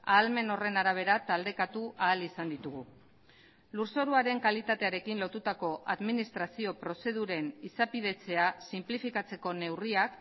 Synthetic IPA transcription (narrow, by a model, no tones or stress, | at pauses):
aːlme̞no̞re̞naɾaβ̞e̞ɾat̪ald̪e̞kat̪uʔaːlisand̪it̪uɣ̞u | luɾso̞ɾuaɾe̞ŋkalit̪at̪e̞aɾe̞kinlo̞t̪ut̪ako̞ʔaðminist̪ɾasio̞pɾo̞se̞ð̞uɾe̞nisapið̞e̞t͡se̞asimplifikat͡se̞ko̞ne̞wriak